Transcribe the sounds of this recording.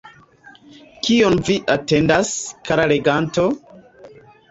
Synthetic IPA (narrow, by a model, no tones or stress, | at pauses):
kionviʔate̞ndaskʰaɾale̞ɡanto̞